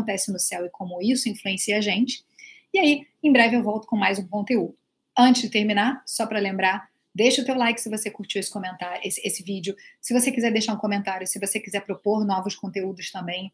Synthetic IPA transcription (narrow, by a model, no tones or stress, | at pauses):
nt̪ɛsɪnʊsɛwɪkʰõmʊisʊĩfluẽsiɐaʒẽnt͡ʃɪ̥ | iaiẽj̃bɾɛvɪewvɔwt̪ʊ̥kõmajzũkõnt̪eud̪ʊ | ɐ̃nt͡ʃɪzd͡ʒɪt̪eɾmĩnasɔpɾɐlẽmbɾa | d̪ejʃɐʊt̪ewlajkɪ̥sɪvosekuɾt͡ʃiwesɪ̥kõmẽnt̪aɾesesɪvid͡ʒɪʊsɪvosekizɛɾd̪eʃaɾũkõmẽnt̪aɾjʊsɪvosekizɛpɾopoɾnɔvʊʃkõnt̪eud̪ʊst̪ɐ̃mbẽj̃